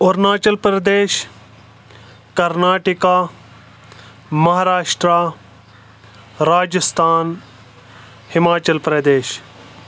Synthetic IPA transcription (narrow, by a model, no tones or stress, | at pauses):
oɾnaːt͡ʃɐlpɾɐd̪eːʃ | kɐɾnaːʈikaː | mɐɦaːɾaːʃʈɾaː | ɾaːd͡ʒɪst̪ʰaːn | hɪmaːt͡ʃɐlpɾɐd̪eːʃ